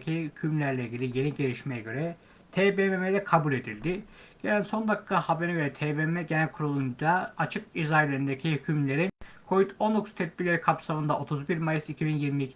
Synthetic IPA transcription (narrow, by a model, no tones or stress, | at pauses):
cʰihycʰymlʲæɾlʲɛiɟʲilʲije̞niɟe̞ɾʲiʃmejɛɟø̞ɾɛ | t̪ʰeːbememelʲɛkʰabulʲe̞d̪ilʲd̪ɪɟ̥e̞lʲænso̞nd̪akkʰːahabenɛɟøɾɛt̪ʰeːbemɛɟenælʲkʰuɾulˠund̪aat͡ʃʰɯkizajlʲeɾind̪ecʰihycʰymlʲe̞ɾinkʰo̞vit̪ʰo̞nokʰu̥st̪ʰɛt̪̚bilʲeɾikʰapsamɯnd̪aʔo̞t̪ʰuzbiɾmajɯsicʰibinjiɾmi